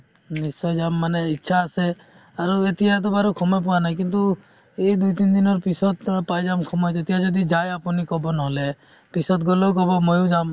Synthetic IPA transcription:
nisɔjd͡ʒamːaneitːʃʰaːse | aɾuet̪ijat̪̬ɔbaɾukʰɔmep̬ɔwanaɦjkint̪u | ed̪ujt̪ind̪inɔɾpisɔt̪pajd͡ʒamkʰɔmɔjt͡ʃʰet̪ijad͡ʒɔd̪id͡ʒajapɔnikɔbɔnɔɦle | pisɔt̪̚ɡɔlok̬ɔbɔmojũd͡ʒam

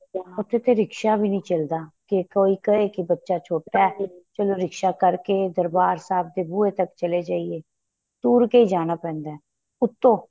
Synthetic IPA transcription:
jaʊt̪ʰːeːt̪eɾɪkʃaːbʱiːnəĩːt͡ʃəld̪aːkekoːiːkəeːkɪbətːʃaːt͡ʃʰoːʈʈaɛt͡ʃəloːɾɪkʃaːkəɾked̪əɾbaːɾsaːb̚d̪eːbuːet̪əkt͡ʃəleːd͡ʒaːieː | t̪uːɾkeiːd͡ʒaːnaːpɛ̃ːnd̪aɛ | ʊt̪ːõː

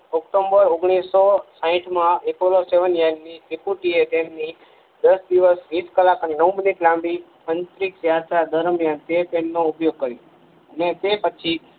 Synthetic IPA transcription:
ɔkʈombəɾoɡɽ̃isosãĩʈʰmãekoloseʋənjanniɾipuʈiet̪emni | d̪əsd̪iʋəsʋit̪kəlakninəʋumɪniʈlãmbi | pənt̪ɾikʋjasad̪əɾmijant̪epeɳnoupjoɡ̚kəɾjo | ənet̪epət͡ʃʰi

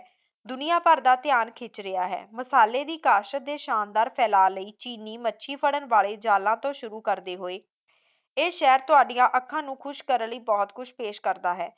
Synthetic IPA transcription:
d̪ʊnijãːpəɾd̪aːt̪ɪjaːnkʰɪt͡ʃɾɪaːɦɛ̰ːməsaːleːd̪iːkaːʃət̪̚d̪eːʃaːnd̪aːɾpʰɛːlaːləiːt͡ʃiːniːmətːʃʰiːpʰəɽənʋaːɭeːd͡ʒaːlãːt̪õːʃʊɾuːkəɾd̪eːɦoːeː | eːʃɛːɾt̪ʊaːɖijãːʔəkʰːãːnũːkʰʊʃkəɾənləiːbɔːt̪kʰʊʃpeːʃkəɾd̪aːɦɛː

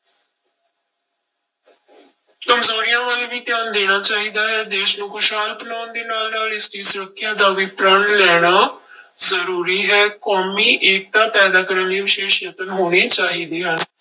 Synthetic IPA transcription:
kəmzoːɾɪjãːʋəlʋiːt̪ɪjaːnd̪eːɽ̃aːt͡ʃaːɦiːd̪aːɦɛːd̪eːʃnũːkʊʃaːlpəlaːnd̪eːnaːlnaːlɪsdiːsʊɾəkʰːɪjãːd̪aːʋiːp̪ɾəɳlɛːɽ̃aː | zəɾuːɾiːɦɛːkoːmiːʔeːk̚t̪ãːpɛːd̪aːkəɾənliːʋɪʃeːʃjət̪ənɦoːɽ̃iːt͡ʃaːɦiːd̪iːɦə̃ːn

